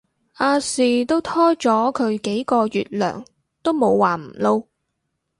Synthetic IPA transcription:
ʔaː˧siː˨˧t̪o˥wt̪ʰɔː˥t͡ʃɔː˨˥kʰɵ˨˧ɥke˨˥jkɔː˧jyː˨t̚lœ̰ː˨˩ŋ | t̪o˥wmo˨˧wːaː˨˩m̩˨˩lo˧w

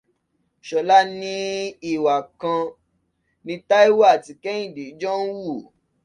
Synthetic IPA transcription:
ʃɔ˨la˦nĩ˦i˦˨wa˨kã˧ | nĩ˧ta˦i˦wa˦˨ti˧kɛ˦ĩ˦˨de˨˦d͡ʒɔ˦n̩˦wu˦˨

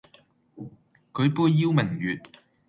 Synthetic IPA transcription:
kʰɵ˨˧ɥpuː˧jːi˧wmɪ˨˩ŋjyː˨t̚

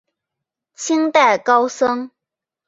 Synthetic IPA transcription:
t͡ɕʰi˥ŋt̪a˥˩ɪkɑ˥ʊsɤ˥ŋ

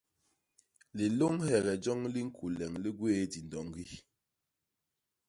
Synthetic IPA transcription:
li˨lo˦ŋhɛ˨ɣɛ˨d͡ʒɔ˦ŋli˦ŋ̩˦kʰu˨lɛ˨ŋli˦ɡweː˦di˨n˨dɔ˨ŋɡi˦

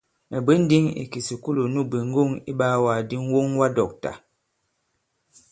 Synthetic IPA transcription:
ɛ˨bə˦n̩˦di˦ŋḭ˨ki˨si˨ku˦lu˨nu˦˨bi˨ŋ̩˦ɡo˦˨ŋi˦ɓaː˦waː˨di˦ŋ˦wo˦ŋwa˦dɔ˨k̚ta̰˨

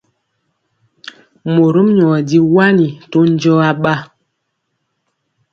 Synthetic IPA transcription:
mo˨ɾu˦m˦ɲɔ˨di˦wa˦ni˨to˦n˦d͡ʒɔ˦a˦ɓa˦

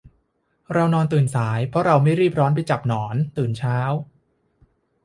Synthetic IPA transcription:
ɾa˧wnɔː˧nt̪ɯː˨˩nsaː˩˦jpʰɔ˦˥ɾa˧wma˥˩jɾiː˥˩p̚ɾɔː˦˥np̬a˧jt͡ɕa˨˩p̚nɔː˩˦nt̪ɯː˨˩nt͡ɕʰaː˦˥w

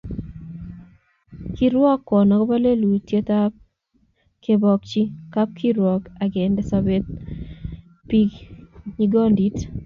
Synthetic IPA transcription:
kiɾwɔ˦kːɔ˨nɔ˨kɔ˦ba˦le˦lu˨tje˦ta˦p̚ | ke˨bɔ˨k̚t͡ʃi˦ka˦p̚kʰi˦ɾwɔ˨ka˨ɡɛ˨ndɛ˦sabe˦t̪̚ | pi˦ɡɲi˦ɡɔ˦ndi˦t

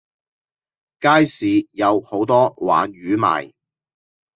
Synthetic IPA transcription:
kaː˥jsiː˨˧jɐ˨˧who˨˥wt̪ɔː˥wa̰ː˨˥nɥyː˨˥ma̰ː˨j

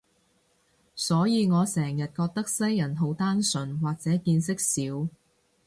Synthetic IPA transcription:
sɔː˨˥jiː˨˧ŋɔː˨˧sɛː˨˩ŋjɐ˨t̚kɔː˧k̚t̪ɐ˥k̚sɐ˥jːɐ˨˩nɦo˨˥wt̪aː˥nsɵ˨˩nwaː˨k̚t͡sɛː˨˥kiː˧nsɪ˥k̚siː˨˥w

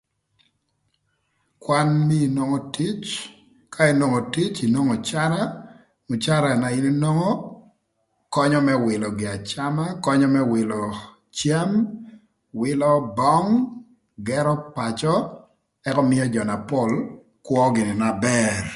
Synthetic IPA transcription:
kwa˦nmi˦i˨no˦ŋɔ˦ti˦t͡ʃ | kʰa˦i˨no˨ŋo˨ti˦t͡ʃi˨no˦ŋɔ˨t͡ʃa˦ɾa˦ | mʊ˨t͡ʃa˦ɾa˨na˨i˦ni˦no˦ŋɔ˦ | kɔ˦ɲɔ˦mɛ˦wɪ˨lɔ˨ɡɪ˨a˨t͡ʃama˦kɔ˦ɲɔ˦mɛ˦wɪ˨lɔ˨ | t͡ʃja˦m | wɪ˦lɔ˦bɔ˦ŋ | ɡɛɾɔ˦pat͡ʃɔ˦ | ɛ˦kɔ˦mɪ˦jɔ˦d͡ʒɔ˨na˨pɔ˦l | kwɔ˦ɡɪ˨nɪ˨na˨bɛr

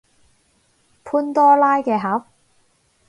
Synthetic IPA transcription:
pʰuː˥nt̪ɔː˥laː˥jkɛː˧ɦɐː˨˥p̚

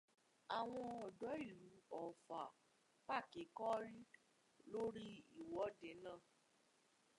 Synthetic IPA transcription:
a˨w̃ɔ̃˧ɔ˨dɔ˨˦i˦˨lu˨˦ɔ˨fa˨ | k͡pa˦˨ke˨˦kɔ˦ɾi˦ | lo˦ɾi˦i˦˨wɔ˨˦de˨˦nãː˦˨

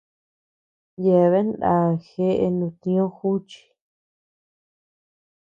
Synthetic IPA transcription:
je˨βe˦nd̪ã˧˨xe˦ʔe˧nũ˧˨t̪ĩ˧˦õ˦xu˦t͡ʃi̥˧

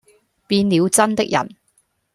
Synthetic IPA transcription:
piː˧nliː˨˧wt͡sɐ˥nt̪ɪ˥k̚jɐ̰˨˩n

